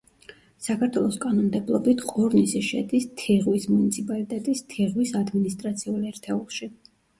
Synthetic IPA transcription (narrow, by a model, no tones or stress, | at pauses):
sakʰaɾt̪ʰwɛlˠɔskʼanɔmd̪ɛblˠɔ̰bit̪ʰqʼɔɾnisiʃɛ̰d̪ist̪ʰɛʁwismunit̪sʰipʼalit̪ʼɛt̪ʼist̪ʰɛʁwisad̪minist̪ʼɾat̪sʰiulɛɾt̪ʰɛulˠʃi